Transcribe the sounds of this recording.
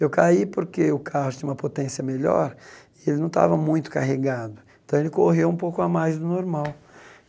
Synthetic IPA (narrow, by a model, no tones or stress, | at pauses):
ewkaipoɾkeʊkʰahʊst̪ĩɲ̃ũmɐpot̪ẽsiɐmeʎɔ̰ɾɪelɪnɐ̃w̃t̪a̰vɐmũj̃t̪ʊ̥kaɦeɡad̪ʊẽt̪ɐ̃w̃elɪkoɦewũpowkʊamajzd̪ʊnoɾmaw